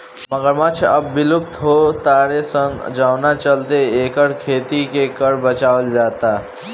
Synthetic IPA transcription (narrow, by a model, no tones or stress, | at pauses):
məɡəɾmat͡ʃʰəbːiluk̚t̪ɦot̪aːɾesə̃ŋɡd͡ʒaʊnat͡ʃəlt̪eeːkəɽkʰeːt̪ikekəɾbət͡ʃaːld͡ʒaːt̪a